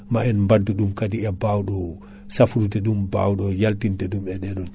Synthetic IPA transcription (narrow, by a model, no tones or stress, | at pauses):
maɛnmbadːuɗumkadiɛbawɗɔ | safuɾutɛɗumba̰wɗɔjaltintɛɗumɛɗɛɗɔn